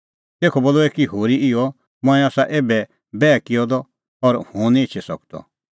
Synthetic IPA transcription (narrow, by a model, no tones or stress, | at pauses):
t̪eːkʰɔboːluɛkiɦoːɾiɪɔ | mɔ̃ɛ̃aːsaʔeːbɛ | bɛːkɪjɔd̪ɔ | ɔɾhũnĩɪt͡ʃʰɛsɔkd̪ɔ̰